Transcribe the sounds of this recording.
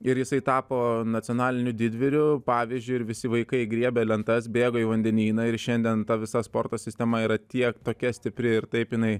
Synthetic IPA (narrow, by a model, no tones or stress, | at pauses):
ɪɾjɪsɐɪt̪ɑːpoːnɐtt͡s̪ʲɪonɑːlʲɪnʲʊd̪ʲɪd̪ʲʋʲɪɾʲʊpɑːʋʲizʲd͡ʒʲʊɪɪɾʋʲɪsʲɪʋɐɪkɐɪɡɾʲiɛbʲɛlʲɛnt̪ɐsbʲeːɡoːiʋɐnʲd̪ʲɛnʲiːnɐɪɾʃʲɛnʲd̪ʲiɛnt̪ɐʋʲɪsɐspoːrt̪oːsʲɪsʲt̪ʲɛmɐiːɾɐt̪ʲiɛkt̪oːkʲɛsʲt̪ʲɪpʲɾʲɪɪɾt̪ɐɪpjɪnɐɪ